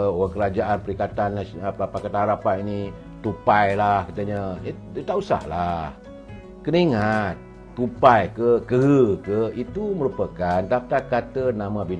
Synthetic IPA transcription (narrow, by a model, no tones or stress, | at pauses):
oaŋkəɾad͡ʒaʔanpəɾikat̪anpakat̪anɦaɾapanini | t̪upajlahkat̪əɲat̪aʔusa̰hlah | kəniŋat̪̚ː | upajkəkəɦəkəit̪uməɾupakant̪ap̚t̪akat̪ənãmãbin